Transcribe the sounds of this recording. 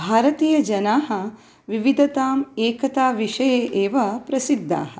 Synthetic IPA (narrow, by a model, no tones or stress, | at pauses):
bʱaːɾɐt̪iːjɐd͡ʒɐnaːɦɐ̆ | ʋiʋid̪ʱɐt̪aːmeːkɐt̪aːʋiʂɐjeːʔeːʋɐpɾɐsid̪ːa̰ːɦɐ̆